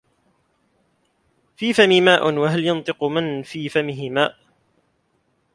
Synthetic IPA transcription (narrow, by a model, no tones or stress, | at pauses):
fiːfamimaːʔnwaɦaljɑnt̪ˤɨqʊmanfiːfamɪɦɪmaːʔ